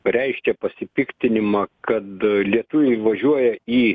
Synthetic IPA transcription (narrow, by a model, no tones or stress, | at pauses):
ɾʲɛɪʃʲkʲɛpɐsʲɪpʲɪkt̪ʲɪnʲɪmɑːkɐt̪lʲiɛt̪ʊʋʲɛɪʋɐʒʲuɔjɛiː